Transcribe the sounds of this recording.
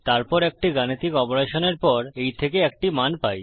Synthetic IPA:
t̪aɾpɔɾɛk̚ʈiɡanit̪ikɔpoɾeʃoneɾpɔɾejt̪ʰekeɛk̚ʈimanpaj

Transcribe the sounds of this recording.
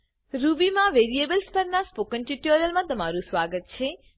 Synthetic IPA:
ɾubimãʋeːɾiebəlspəɾnaspokə̃ɳʈiʈjoɾiəlmãt̪əmaɾũsʋaːɡət̪̚t͡ʃʰeː

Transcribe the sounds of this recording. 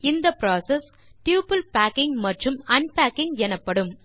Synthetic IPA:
ɪnd̪ɐpɾaːsɛs | ʈjuːpɐlpæːkːɪŋɡmɐʈrɯmɐnpæːkːɪŋɡɛnɐpːɐɽɯm

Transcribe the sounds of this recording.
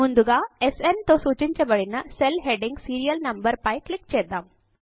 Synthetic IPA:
mund̪uɡaesent̪osut͡ɕint͡ɕebəɭinːəselɦeɖiŋɡsiɾijəlnəmbəɾpajklik̚t͡ɕed̪am

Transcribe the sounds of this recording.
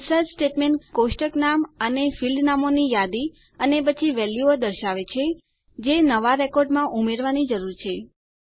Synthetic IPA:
səd͡ʒsʈeʈmeɳʈkoʃʈəknamənefilɖnamonijad̪i | ənepət͡ʃʰiʋɛljuəɾd̪əɾʃaʋet͡ʃʰe | d͡ʒenəʋaɾekɔɾɖmãʔumeɾʋanid͡ʒəɾuɾt͡ʃʰe

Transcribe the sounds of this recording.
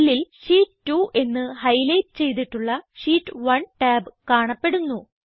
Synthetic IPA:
lilʂiːʈʈːuʔe̞nːɨhɐjlɐjʈɨ̥t͡ɕe̞jt̪̬iʈːuɭːɐʂiːʈːɨʋɐɳʈaːbkaːɳɐpːe̞ɽunːu

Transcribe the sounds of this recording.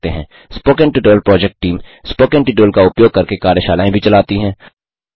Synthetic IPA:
t̪eɦɛ̰̃ː | spoːkɛ̃ɳʈɪʈoːlpɾɔːd͡ʒɛk̚ʈ̚ʈiːmspoːkɛ̃ɳʈɪʈoːlkaʊpjoːɡ̚kɐɾkekaːɾjəʃaːlaːẽbʱit͡ʃɐlaːt̪iɦɛ̃ː

